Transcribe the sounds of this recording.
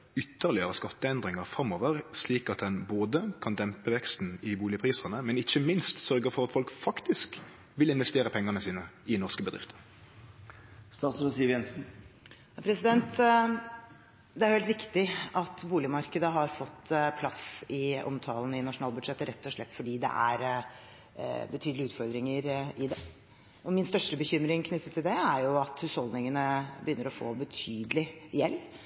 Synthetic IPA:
ʏt̪ːəʁlɪəʁəskɑt̪ːəɛnd̪ʁɪŋɑʁfɾɑmoːʋəʁsliːkɑt̪̚d̪ɛnboːd̪əkʰɑnd̪ɛmpəʋɛkst̪n̩ɪbuːlɪəpʰʁiːsəʁnəmɛnɪçːəmɪnst̪sœʁɡəʁfɔʁɑt̪fɔlkfɑkt̪ɪsk | ʋɪlɪnʋɛst̪eːʁəpʰɛŋːəʁnəsiːnəɪnɔʁskəbəd̪ʁɪ̰ft̪ə̥ | st̪ɑːt̪sɾəsiːjɛnsn̩ | pʰɾɛsɪd̪ɛnt̪ | d̪ɛæɾhɛlt̪ʋɪkt̪ɪɑt̪buːlɪmɑɾkəd̪əɦɑɾfɔt̪ːpʰlɑsɪʔɔ̰mt̪ʰɑːlənəɪnɑʂʊnɑːlbʉd̪ʂɛt̪ːəɾɛt̪ːɔʂlɭɛt̪ːfɔɖiːd̪ɛ̰ʔæ̰ɾ | bət̪ʰyːd̪lɪʉːt̪fɔɾd̪ɾɪŋəɾɪd̪ɛ | ɔmɪnst̪œʂʈəbəçʏmɾɪŋkʰnʏt̪ːət̪ʰːɪld̪ɛæɾjʊɑt̪hʉːshɔld̪nɪŋənəbəjʏnːəɾɔfo̰ːbət̪ʰyːd̪əlɪjɛlː

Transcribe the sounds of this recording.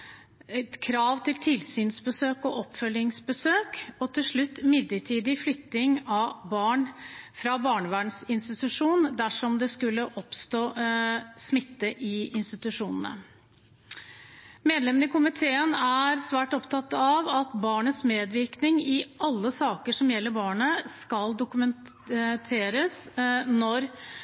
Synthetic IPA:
kʰɾɑːʋt̪ʰɪlt̪ʰɪlsyːnsbəsøːkɔʔɔpːfœljɪŋsbəsøːkɔt̪ʰɪlʂɭʉt̪ːmɪd̪əʈʰiːd̪ɪflʏk̚t̪ɪŋɑbɑːɳfɾɑbɑːɳəʋæːɳsɪnst̪ɪt̪ʉʂuːnd̪æʂɔmd̪ɛskʉlːəʔɔpst̪oː | smɪt̪ːəʔɪɪnst̪ɪt̪ʉʂuːnə̰n̩ə̰ | meːd̪lɛmənɪkʰʊmɪt̪ʰeːənæɾsʋæːʈɔpt̪ʰɑt̪ːɑʋɑt̪bɑːɳəsmeːd̪ʋɪɾknɪŋɪʔɑlːəsɑːkəʂɔmjɛlːəɾbɑːɳəskɑld̪ʊkʉmɛn | t̪ʰeːɾəsnɔɾ

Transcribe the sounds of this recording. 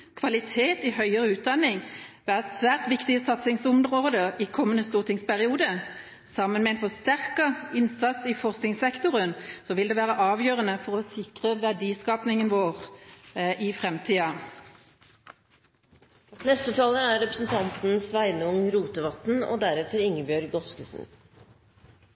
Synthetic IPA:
kʰʋɑlɪt̪ʰeːt̪ɪhœʏəʁəʉːt̪̚d̪ɑnɪŋʋæːʁsʋæːʁt̪ʋɪkt̪ɪəsɑt̪sɪŋsʊmʁoːd̪əʔikʰɔmːənəst̪uːʁt̪ʰɪŋspʰæʁɪuːd̪ə | sɑmːənmɛɛnfɔst̪æʁkɑɪnsɑt̪sɪfɔʁsknɪŋsɛkt̪ʊʁənsɔʋɪld̪eːʋæːʁəʔɑːʋjøːʁənəfɔʁɔsɪkʁəʋæʁɖiːskɑːpnɪŋənʋoːʁ | ʔifʁɛmt̪ʰiːɑ | nɛst̪ət̪ʰɑːləæɾɾɛpɾəsn̩t̪ʰɑnt̪n̩sʋæɪnəʊŋɾuːt̪əʋɑt̪n̩o̰ːd̪æɾɛt̪əɾɪŋəbjøːɾɡɔskəsn̩

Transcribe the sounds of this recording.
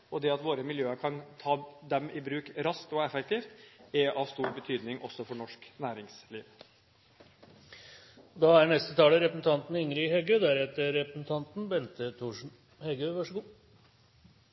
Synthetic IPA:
ɔd̪ɛɑt̪ʋoːɾəmɪljøːəɾkʰɑnt̪ʰɑːd̪ɛmɪbɾʉːkɾɑskt̪ɔɛfɛkt̪iːft̪ɛʔɑʋst̪uːɾbət̪ʰyːd̪nɪŋʔɔsːɔfɔɳɔʂknæːɾɪŋsliːʋ | d̪ɑæɳɛst̪ət̪ʰɑːləɾɛpɾəsn̩t̪ʰɑnt̪n̩ɪŋɾɪhɛɡøːd̪æɾɛt̪əɾːɛpɾsn̩t̪ʰɑnt̪nbɛnt̪ət̪ʰuːʂn̩ | hɛɡøʋɑʂəɡuː

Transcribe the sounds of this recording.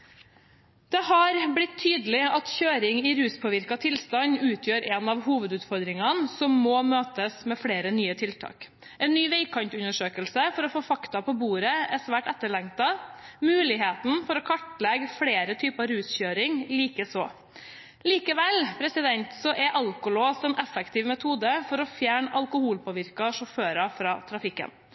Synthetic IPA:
d̪̥ɛhɑɾblɪt̪ʰːyːd̪əlɪɑt̪çøːɾɪŋɪɾʉːspʰoːʋɪɾkɑt̪ʰɪlst̪ɑnʉːt̪ʰjøːɾɛnɑʋhuːʋəd̪ʉːt̪fɔɾd̪ɾɪŋɑnsɔmːɔmøːt̪əsmɛfɽeːɾənyːət̪ʰɪlt̪ʰɑ̰ːk | ɛɪnːyːʋeɪkʰɑnt̪ʉnəʂøːkəlsəfɔɾɔfoːfɑkt̪ɑpɔbuːɾəæʂʋæːʈɛt̪ːəɭɛŋt̪ɑmʉːlɪɦeːt̪n̩fɔɾɔkʰɑʈːlɛɡfleːɾət̪ʰyːpɑɾʉːsçøːɾɪŋliːkəsoː | liːkəʋɛlpʰɾɛsɪd̪ɛnt̪sɔʔɛʔɑlkʊloːsɛnʔɛfːɛkt̪ʰɪːʋmɛt̪ʰuːd̪əfɔɾɔfjæːɳʔɑlkʊhuːlpʰɔːʋɪɾkɑʂɔføːɾɑfɾɑːt̪ʰɾɑfɪkːə̰n

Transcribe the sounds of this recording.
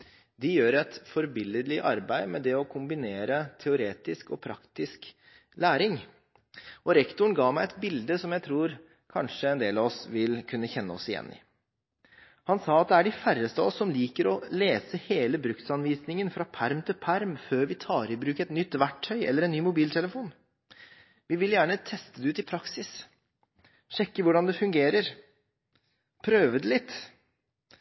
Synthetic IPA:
d̪ɪjøːɾɛt̪fɔɾbɪləlɪʔɑɾbæɪmɛd̪ɛɔkʰʊmbɪneːɾət̪ʰɛʊɾeːt̪ɪskɔpʰɾɑ̰kt̪ɪsk | læːɾɪŋ | ɔɾɛkt̪ʊɳ̩ɡɑːmæɪɛt̪bɪld̪əsɔmjæɪt̪ʰɾuːɾ | kʰɑnʂəɛnd̪eːlɑːʋɔsʋɪlkʰʉnːəçɛnːəɔ̰sɪjɛ̰nːɪ̰ | hɑnsɑːɑt̪̚d̪ɛæɖɪfærəst̪əɔsːɔmliːkəɾɔleːsəheːləbɾʉkt̪sɑnʋiːsnɪŋənfɾɑpʰæɾmt̪ʰɪlpʰæɾmføːɾʋɪt̪ʰɑːɾɪbɾʉːkəɛt̪nʏt̪ːʋæʈʰːœʏɛlːəɾɛnːyːmʊbiːlt̪ʰɛləfuːn | ʋɪʋɪljæːɳət̪ʰɛst̪əd̪ɛʉːt̪ɪpʰɾɑksɪs | ɕɛkːəʋʊɖɑnd̪ɛfʉŋɡeːɾəɾ | pʰɾøːʋəd̪ɛlɪt̪ː

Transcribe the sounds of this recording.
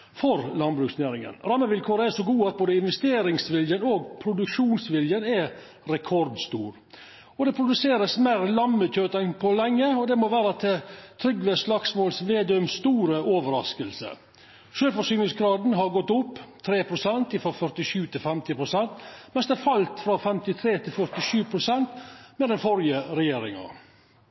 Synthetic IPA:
fɔɾlɑnbɾʉːksneːɾɪŋə̰nɾɑmːəʋɪlkʰoːɾəɛʂɔɡuːɑt̪̚boːd̪əɪnʋɛst̪eːɾɪŋsʋɪljənoːɡpʰɾʊd̪ʉkʂuːnsʋɪljənɛ | ɾɛkʰɔɾd̪st̪uːɾ | ɔd̪ɛpʰɾʊd̪ʉseːɾəsmeɾlɑmːəc͡çøːt̪ɛnpʰɔlɛŋːəɔd̪ɛmoʋæːɾəɑt̪ɛt̪ʰɾʏɡʋeslɑksmoːlsʋeːd̪œmst̪uːɾəoːʋəɾɑskəlsə̰ | ʃøːlfɔʂyːnɪsɡɾɑːd̪n̩ɦɑɾɡɔt̪ːʊpːt̪ʰɾeːpʰɾʊsɛnt̪ɪfɔfœɾʈ̪ɪʂʉːt̪ʰɪlfɛmt̪ɪpʰɾʊsɛnt̪mɛnsd̪ɛæfɑlt̪fɾɑfɛmt̪ɪt̪ʰɾeːt̪ʰɪlfœɾt̪ɪʃʉːpʰɾʊsɛnt̪mɛd̪ɛnfɔɾɪəɾɛjeːɾɪŋɑ̰

